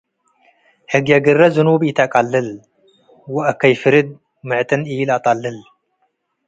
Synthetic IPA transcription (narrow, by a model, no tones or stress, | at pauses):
ħɨɡjɐɡɨrɐzɨnubit̪ʰakʼalːɨl | wɐʔkʰɐjfɨɾɨd̪̚ | mɨʕt̪ʼɨnʔɨjlat̪ʼalːɨl